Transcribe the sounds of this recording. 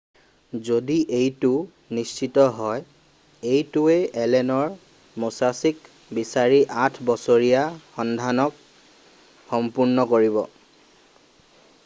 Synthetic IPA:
zodiʔejtʊ | nist͡ʃitɔɦɔj | ejtʊeɛlɛnɔɹ | mosasik | bisaɹiʔatʰbɔsoɹijaxɔndʱanɔk | xɔmpuɹnɔkoɹiβɔ̰

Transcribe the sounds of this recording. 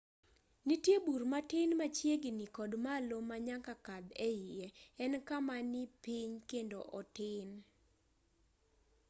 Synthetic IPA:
nitjebuɾmatɪnmat͡ʃjeɡɪnikɔdmalomːaɲakakad̪ɛjieɛnkamanɪpiɲkendoʔɔtɪn

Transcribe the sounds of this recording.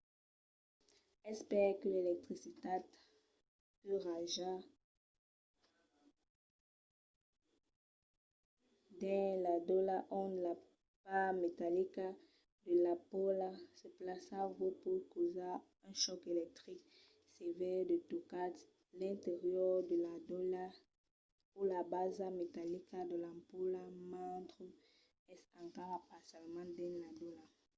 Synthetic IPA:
ɛspɛʁkəlelɛk̚t̪χisit̪at | pyʁaʒa | d̪ɛ̃lad̪ɔlaʔɔ̃d̪la | pamet̪alika | d̪əlapɔlasəplasavopukoza | ɛ̃ʃɔkelɛk̚t̪ʁik | sevɛʁd̪ət̪ukat | lɛ̃nteʁjɔʁd̪əladɔla | ulabazamet̪alikad̪əlãmpulamãt̪ʁə | ɛsãŋkɔpasjalmãd̪ɛ̃ladɔla

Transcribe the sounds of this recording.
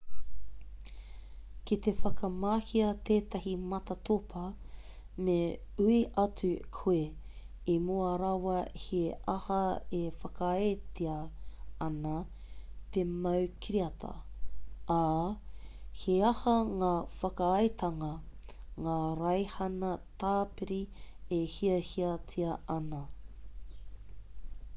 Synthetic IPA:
kit̪efɐkɐmaːhiɐt̪eːt̪ɐhimɐt̪ɐt̪ʰopʰɐ | me | ʉiʔɐt͡sʉkʰue | imuɐɾɐwɐheʔɐhɐefɐkɐetiɐɐnɐ | t̪emɐwkʰiɾiɐtʰɐ̰ʔaː | heɐhɐŋaːfɐkɐɐjt̪ʰɐŋɐ | ŋaːɾɐjhɐnɐt̪aːpiɾiehiɐhiɐtʰiɐʔɐnɐ

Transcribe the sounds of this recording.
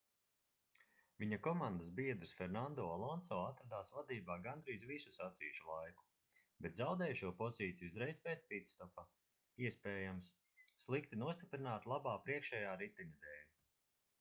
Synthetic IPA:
viɲakɔmand̪asbiɛd̪ɾsfɛɾnand̪ɔːalˠɔnsɔːat̪ɾad̪aːsvad̪iːbaːɡand̪ɾiːzvisusat̪siːuʃulˠajku̥ | bɛt̪zawd̪ɛːjʃuɔpɔziːt̪sijuzɾɛjspeːt̪spit̪st̪ɔpa | iɛspɛːjamsː | lˠikt̪inuɔst̪ipɾinaːt̪lˠabaːpɾiɛkʃɛjaːɾit̪inʲad̪eːlʲ

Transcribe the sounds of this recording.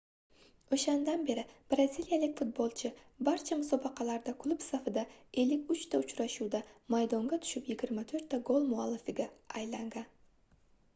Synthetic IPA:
oʃand̪anbe̞ɾɪb̥ɾazʲilˠjalɪkʲfʊt̪̚bolˠt͡ʃʰɪbaɾt͡ʃʰamʊsɒbɑqʰɑlaɾd̪akʰlˠʊpsafɪd̪ae̞lːɪkʲʊt͡ʃt̪ʰaʊt͡ʃɾaʃuwd̪amajd̪ɒŋɡʲat̪ʰʊ̥ʃɪpjɪɡʲɪɾmat̪ʰɵɾt̪ʰːaɡolˠmʊalˠːɪfɪɡʲaajlaŋɡan

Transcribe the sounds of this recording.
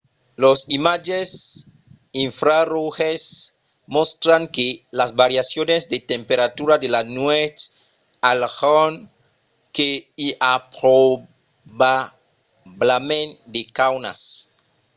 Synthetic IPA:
losimad͡ʒes | iɱfɾaroxes | most̪ɾaŋkelazbaɾjasjonezd̪et̪empeɾat̪uɾad̪elanwet͡ʃ | alxon | keiʔapɾo | ba | blamẽnd̪ekawna̰s

